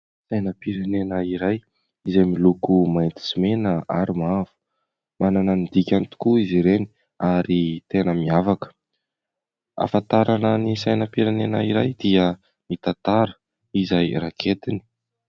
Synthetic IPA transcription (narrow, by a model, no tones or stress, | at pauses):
sajnəpiɾenenaiɾaj | izajmilukumajnt̪i̥simenəaɾimavu̥ | manananid̪ikʲanit̪u̥kuiziɾeni̥ | aɾit̪enəmiavakə̥ | a̰fant̪aɾananisajnəpiɾenenaiɾajd̪iə | nit̪ant̪aɾə̥ | izajrakʰet̪ini̥